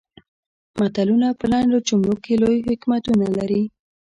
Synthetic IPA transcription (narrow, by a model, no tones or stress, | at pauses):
mat̪alunapəlaɳɖot͡ʃʊmlokelojhɪkmat̪unalaɾi